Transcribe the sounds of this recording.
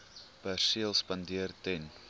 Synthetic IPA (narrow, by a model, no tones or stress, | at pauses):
pærsiəlˠspɐndiərtɛn